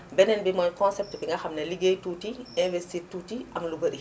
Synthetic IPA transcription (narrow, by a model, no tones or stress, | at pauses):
bɛnɛnbimɔnkɔnsɛp̚tbiŋɡɐxɐmnɐliɡejtuːtiɛ̃vɛstiːrtuːtiʔɐmlubɐɾi